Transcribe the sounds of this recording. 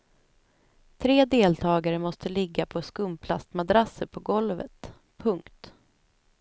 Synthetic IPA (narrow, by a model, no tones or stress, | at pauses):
t̪ʰɾeːd̪eːlt̪ʰɑːɡaɾəmɔst̪əlɪɡːapʰɔskɵmpʰlast̪mad̪ɾasəɾpʰɔɡɔlvə̰t̪ | pʰːɵŋkt̪